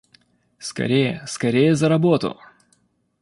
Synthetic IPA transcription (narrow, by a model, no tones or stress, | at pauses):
skɐ̰ɾʲejəskɐɾʲejəzəɾɐbot̪ʊ̰